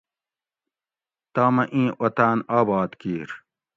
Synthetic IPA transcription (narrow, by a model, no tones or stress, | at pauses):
t̪aːmɐʔĩːʔɐt̪aːnaːbaːd̪kiːɾ